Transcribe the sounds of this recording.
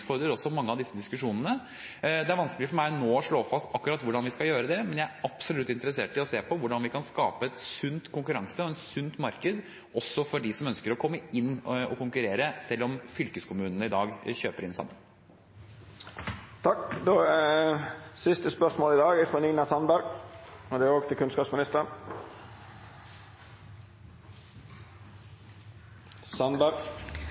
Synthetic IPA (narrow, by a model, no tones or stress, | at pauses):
fɔɾd̪ɾəɾɔsːɔmɑŋːəɑʋd̪ɪsːəd̪ɪskʉʂuːnənə | d̪ɛæɾʋɑnskəlɪfɔɾmæɪnoːɔʂɭoːfɑst̪ɑkːʉɾɑt̪ʋʊɖɑnʋɪskɑjøːɾəd̪ɛmɛnjæɪæɾɑpsɔlʉt̪ːɪnt̪əɾəseːʈɪɔseːpʰɔʋʊɖɑnʋɪkʰɑnskɑ̰ːpəɛt̪sʉnt̪kʰʊŋkʉɾɑŋsəɔɛnsʉnt̪mɑɾkəd̪ | ɔsːɔfɔɖɪsɔmœnskəɾɔkʰɔmːəɪnːɔkʊŋkʉɾeːɾəsɛlːɔmfʏlkəskʰʊmʉːnənəɪd̪ɑːɡçøːpəɾɪnsɑ̰mːə̰n | t̪ʰɑkd̪oː | sɪst̪əspœʂmoːlɪd̪ɑːɡæfɔnɪːnɑsɑnbæɾɡɔd̪ɛæoːɡt̪ʰɪlkʰʉnskɑːpsmɪnɪst̪ən | sɑnbæɾɡ